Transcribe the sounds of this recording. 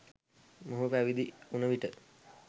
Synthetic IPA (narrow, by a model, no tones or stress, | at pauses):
moɦupæʋid̪iunəʋiʈə